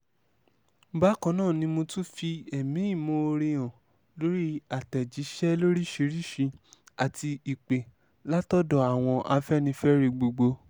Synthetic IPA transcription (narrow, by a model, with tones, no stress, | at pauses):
ba˨˦kã˧˦nãː˦˨nĩ˧mõ˧tu˦fi˧ɛ˨mĩ˨˦i˦˨mo˧o˧ɾi˧j̃ã˨ | lo˦ɾi˦a˨tɛ˨d͡ʒi˨˦ʃɛ˦lo˦ɾi˦ʃi˨˧˦ɾi˦˨ʃi˧a˨ti˧i˨k͡pe˨ | la˦tɔ˦dɔ˧˨a˨w̃ɔ̃˧ʔa˧fɛ˦nĩ˧fɛ˦ɾi˧ɡ͡bo˧ɡ͡bo˧